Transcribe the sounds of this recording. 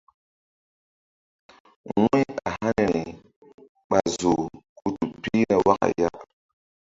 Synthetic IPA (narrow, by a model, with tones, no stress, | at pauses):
wu˦a˨ha˦n˨ɾi˨ | ɓa˨zo˨ku˦tu˨pi˦na˨wa˦kka̰˨ja˦ʔ